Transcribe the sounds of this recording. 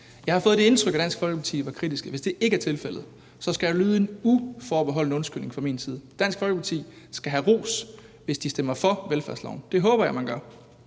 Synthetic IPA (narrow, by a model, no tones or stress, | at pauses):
jɑ̈ɪhɑ̈fɔ̽ːðˠd̥e̝e̝nt͡sʰʁœɡ̥æɾ̥æn̰sɡ̥fɒ̽lɡ̥ə̥pʰɑ̈t͡sʰḭːʋɑ̈kʰʁid̥isɡ̥əʋe̝sd̥e̝ʔe̝ɡ̥əæɐt͡sʰe̝lfel̰ð̩ˠ | sɒ̽sɡ̥æjalyːð̞ˠe̝nufɒːb̥eɦɒ̽l̰nəɔ̽nsɡ̥ylne̝ŋfʁɑ̈miːnsiːð̞ˠd̥æn̰sɡ̥fɒlɡ̥əpʰɑ̈t͡sʰḭː | sɡ̥æɦæʁṵːs | ʋe̝sd̥isd̥em̰ɐfɒ̽ʋelfæɐslɑ̈ʊn̩d̥e̝ɦɔːb̥ɐjɑ̈ɪmænɡ̥ɶɐ